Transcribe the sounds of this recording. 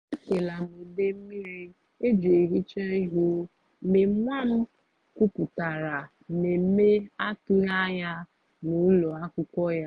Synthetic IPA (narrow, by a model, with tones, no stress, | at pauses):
e˦se˨la˨me˨de˦m̩˦mi˦ɾi˦ | e˦d͡ʒe˨e˨ɦi˦t͡ʃa˦i˦ɦo˦ | me˨m̩˦mʷa˦m̩˦ | ku˦pu˨ta˨ɾa˨ | me˨m̩˦me˦a˦tu˦ja˦ɲa˦ | nu˨˦lo˨a˦kʊ˦kɔ˦ja˦